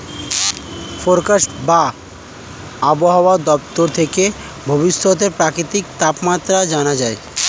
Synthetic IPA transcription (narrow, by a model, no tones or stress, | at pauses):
foɾkaʃʈba | aboɦaoad̪ɔp̚t̪oɾt̪ʰeke | bʱobiʃːot̪̬eɾpɾakɾit̪ikt̪apmat̪ːɾad͡ʑanad͡ʑae